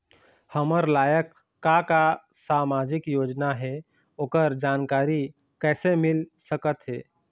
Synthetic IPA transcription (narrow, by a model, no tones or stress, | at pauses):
həməɾlaːjəkː | aka | saːmaːd͡ʒɪkjoːd͡ʒnaɦɛ | oːkəɾd͡ʒaːnkaːɾi | kɛːsemɪlsəkət̪ɦɛː